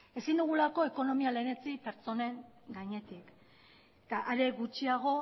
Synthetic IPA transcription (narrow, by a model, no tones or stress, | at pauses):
e̞sind̪uɣ̞ulako̞eko̞no̞miale̞ne̞t͡sipe̞ɾt͡so̞ne̞ŋɡaɲe̞t̪ik | t̪aʔaɾe̞ɣut͡ʃiaɣ̞o̞